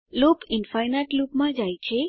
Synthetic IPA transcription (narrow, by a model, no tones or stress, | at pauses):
lupɪnfajnaʈlupmãd͡ʒajt͡ʃʰe